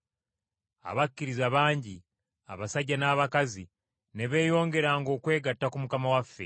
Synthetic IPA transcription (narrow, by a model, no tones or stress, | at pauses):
a̰βakːiɾizaβaːɲɟi | a̰βasaɟːanaːβakazi | ne̞βe̞ːjo̞ːŋɡe̞ɾaːŋɡo̞ːkwe̞ːɡatːakumukamawafːe̞̰